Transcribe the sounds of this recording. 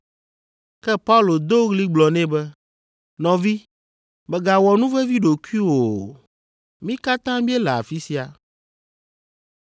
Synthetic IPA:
kɛ˦pa˦u˦lo˨d̪o˦ɣli˦ɡ͡blɔ˨nɛ̃˦bɛ˦ | nɔ̃˨vi˦ | bɛ˨ɡa˨wɔ˨nũ˦vɛ˦vi˦ɖo˨ku˦i˦wo˨ | mĩ˦ka˦t̪ã˦bi˦ɛ˦lɛ˨a̰˨fi˦si˦a˨

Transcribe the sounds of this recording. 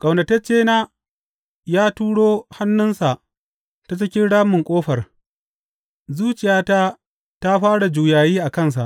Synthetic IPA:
kʼa˨wnɐ˨tɐ˦t͡ʃeː˦naː˦ | jaː˦tuː˦ɽoː˦ha˦nːʊ˦nsa˨ʔ | ta˦t͡ʃɪ˦kʲɪ˦nɽaː˦mʊ˨ŋkʷʼoː˦ɸɐ˨r | zuː˦t͡ʃɪ˨jaː˦ta˦ | ta˦ɸaː˦ɽa˨d͡ʒuː˨jaː˨jiː˦ʔa˨kɐ˦˨ns̬a̰˨ʔ

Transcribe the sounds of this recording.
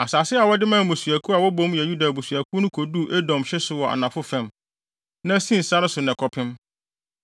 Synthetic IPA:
a˨saː˨sɪ˦a˨wɔ˦dɪ˦mã˦˨mʊ̃˨su˨æ˨kʰu˦a˨wɔ˦bõ˦mjɛ˨ju˦da˨bu˨su˨æ˨kʰu˦nʊ̃˦kʰo˨du˦˨ʔɛ˦dɔ̃˨mɕɛ˦sʊ˨wɔ˨ʔa̰˨nã˨fʊ˦fɛ̃˦˨m | nã˦sĩ˦n̩˨sa˦nʊ̃˦sʊ˨nɛ̃˨kʰɔ˦pʰɪ̃˦m

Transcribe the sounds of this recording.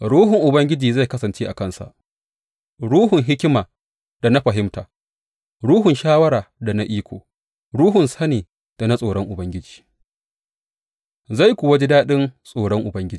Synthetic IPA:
ɽuː˦hʊ˨ŋʔʊ˨bɐ˦ŋɡʲɪ˦d͡ʒiː˨za˦˨jkɐ˦sɐ˨nt͡ʃeː˦ʔa̰˨kɐ˦˨nsa̰˨ʔ | ɽuː˦hʊ˨ŋɦɪ˦kʲɪ˦maː˨ | d̥a˨na˦ɸɐ˨ɦɪ˦mtaː˨ | ɽuː˦ɦʊ˨nʃaː˦wɐ˦ɽaː˨da˨na˦ʔiː˦kʷo̰ː˨ | ɽuː˦ɦʊ˨nsɐ˦neː˨ | d̥a˨na˦sʼoː˨ɽɔ˦ŋʔʊ˨bɐ˦ŋɡʲɪ˦d͡ʒi̥ː˨ | za˦˨jkʷʊː˨wa˦ɡɪ˦daː˦ɗɪ˦nsʼoː˨ɽɔ˦ŋʔʊ˨bɐ˦ŋɡʲɪ˦d͡ʒiː˨

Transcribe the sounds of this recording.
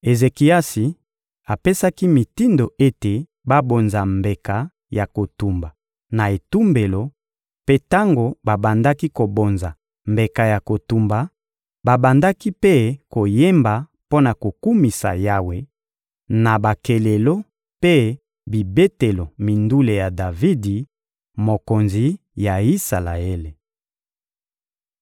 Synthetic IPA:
e˨ze˨ki˨a˦si˨ | a˨pe˦sa˦ki˦mi˨ti˦ndo˨ʔe˦te˨ | ba˦bo˨nza˨mbe˨ka˨ | ja˨ko˨tu˨mba˨ | na˨e˨tu˦mbe˨lo˨ | pe˦ta˦ŋɡo˨ba˨ba˨nda˦ki˦ko˨bo˨nza˨ | mbe˨ka˨ja˨ko˨tu˨mba˨ | ba˨ba˨nda˦ki˦pe˦ko˨je˦mba˨ | po˦na˨ko˨ku˦mi˨sa̰˨ja˦we˨ | na˨ba˨ke˨le˨lo˦ | pe˦ | bi˨be˦te˨lo˨mi˨ndu˦le˨ja˨da˨vi˦di˨ | mo˨ko˨nzi˨ | ja˨i˦sa˨la˨e˦le˨

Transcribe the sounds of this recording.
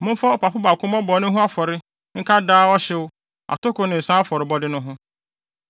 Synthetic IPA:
mʊ̃˦m˦fa˦ɔ˨pʰa˨pʊ˦ba˨kʰʊ̃˦mɔ̃˦bɔ˨˦nʊ̃˦ɦʊ̃˦a˦fɔ˨ɾɪ˦ | ŋ̩˦kʰa˦daː˦ɔ˦ɕɪ˦wʊ˦ | a̰˨tʊ˦kʊ˨˦nɪ̃˨n̩˨sã˦fɔ˨ɾɪ˨bɔ˦dɪ˦nʊ̃˦ɦʊ̃˦

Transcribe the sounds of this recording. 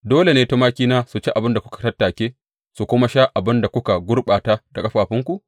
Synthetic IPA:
doː˦le˨neː˦to˦maː˦kʲiː˦naː˦su˨t͡ʃi˦ʔa˨bɪ˦nda˨kʷʊ˦kḁ˨tɐ˦tːaː˨kʲeː˦ | su˨kʷʊ˦ma˦ʃaː˦ʔa˨bɪ˦nda˨kʷʊ˦ka˨ɡʷʊ˦rɓaː˨taː˦da˨kʼɐ˦ɸaː˨ɸɪ˦ŋkʷu˨ʔ

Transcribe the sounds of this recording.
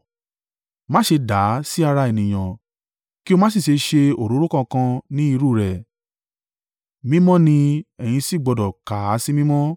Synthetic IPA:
mãː˦ʃe˧da˨˦si˦a˧ɾa˧e˨nĩ˨j̃ã˨ | ki˦o˧mã˦s̬i˦˨ʃe˨˧ʃe˧o˨ɾo˨˦ɾu˦kã˧kã˧nĩ˦i˦˧ɾu˦˨ɾɛ˨ | mĩ˦mɔ̃˦nĩ˧ɛ˨j̃ĩ˧si˦˨ɡ͡bɔ˧dɔ˨ka˨˦si˦mĩ˦mɔ̃˦

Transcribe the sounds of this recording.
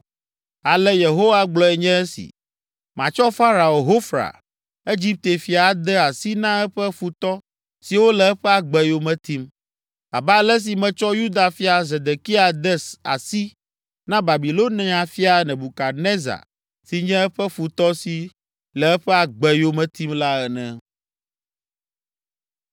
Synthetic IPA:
a˨lɛ˦je˨ɦo˦wa˦ɡ͡blɔ˨ɛ˨ɲɛ̃˦ɛ˦sḭ˨ | mã˨t͡ʃɔ˦fa˦ɾa˨o˨ɦo˦fɾa̰˨ | e˦d͡ʑi˦p̚t̪e˨fi˨a˨d̪ɛ˦a˨si˦nã˦ɛ˦ɸɛ˦fu˨t̪ɔ˦ | si˨wo˦lɛ˨ɛ˦ɸɛ˦a˨ɡ͡bɛ˦jo˦mɛ̃˨t̪i˦m | a̰˨ba˦lɛ˦s̬i˨mɛ̃˨t͡ʃɔ˦ju˦d̪a˨fi˦a˨ze˨d̪e˨ki˦a˨d̪ɛ˦sa̰˨si˦ | nã˦ba˨bi˨lo˦nɛ̃˦ã˨fi˦a˨nɛ̃˨bu˨ka˨ne˦za̰˨ | si˨ɲɛ̃˦ɛ˦ɸɛ˦fu˨t̪ɔ˦si˨ | lɛ˨ɛ˦ɸɛ˦a˨ɡ͡bɛ˨jo˦mɛ̃˨t̪i˦mla˦ɛ˨nɛ̃˨

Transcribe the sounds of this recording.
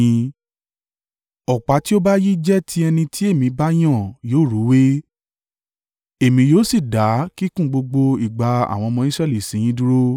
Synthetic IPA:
ɔ˨k͡pa˨˦ti˦o˦ba˦ji˦d͡ʒɛ˦tʰi˦ɛ˧nĩ˧tʰi˦e˦˨mĩ˨˧ba˦j̃ã˦˨joː˦˨ɾu˨˦we˦ | e˦˨mĩ˧joː˦si˦˨da˨˦ki˦kũ˦˨ɡ͡bo˧ɡ͡bo˧i˦˨ɡ͡ba˨˧a̰˨w̃ɔ̃˧mɔ̃˧i˦sɾɛ˦˨li˨sĩ˨˦j̃ĩ˧˦du˦ɾo˦

